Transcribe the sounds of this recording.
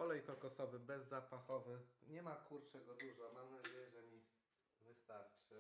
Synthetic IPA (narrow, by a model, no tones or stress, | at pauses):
ɔlɛjkɔkɔsɔvɘbɛzːapaxɔvɘɲɛmakuɾt͡ʂɛɡɔd̪uʐɔmamnad͡ʑejɛʐɛmʲi | vɘst̪aɾt͡ʂɘ